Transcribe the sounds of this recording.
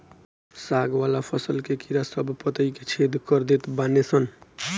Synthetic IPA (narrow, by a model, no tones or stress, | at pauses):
saɡwalapʰʌsʌlkekiɾasʌbʱpʌt̪əjket͡sʰed̪kʌɾd̪et̪banet͡sʰʌn